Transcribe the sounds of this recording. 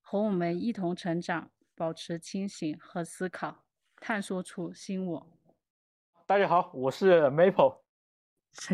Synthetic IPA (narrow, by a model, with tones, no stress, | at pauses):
xo˧˥wɔ˨˩mə˧˥ni˥˩t̪ʰʊ˧˥ŋʈ͡ʂʰɤ˧˥ŋʈ͡ʂɑ˨˩˦ŋ | pɑ˨˩ʊʈ͡ʂʰɻ̩˧˥t͡ɕʰi˥ŋɕi˧˥ŋxɤ˧˥sɹ̩˥kʰɑ˨˩˦ʊ | t̪ʰa˥˩nswɔ˥ʈ͡ʂʰu˥ɕi˥nwɔ˨˩˦ | t̪a˥˧t͡ɕa˥˩xɑ˨˩˦ʊwɔ˨˩ʂɻ̩˥˩me˧˥ɪpʰo˧˥ʊ˧˥